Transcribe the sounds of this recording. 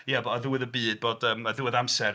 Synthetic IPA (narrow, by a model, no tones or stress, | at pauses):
jabəðuwɪðəbiːd̚boːdəːməðuɪðamsɛɾ